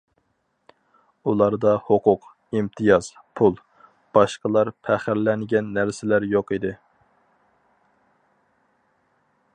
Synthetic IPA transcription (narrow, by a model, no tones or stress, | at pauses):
ulˠɑɾd̪ɑhoqʰʊq | imt̪ʰijɑz̥ | pʰulˠ | b̥ɑʃqəlˠɑɾpʰæχæɾlɛŋɡʲɛnːæɾsɪlæɾjoqid̪ɪ